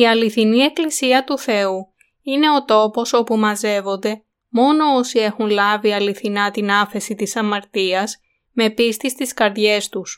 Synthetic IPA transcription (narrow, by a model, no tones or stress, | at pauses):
iɐliθinie̞klisiɐt̪uθe̞u | ine̞o̞t̪o̞po̞so̞pumɐze̞vo̞nd̪e̞ | mo̞no̞osie̞xunlɐviɐliθinɐt̪inɐfe̞sit̪isɐmɐɾt̪iɐs | me̞pist̪ist̪iskɐɾðʝe̞st̪us